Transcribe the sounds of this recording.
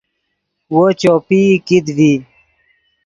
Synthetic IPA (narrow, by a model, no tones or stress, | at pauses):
wot͡ɕoːpikid̪vi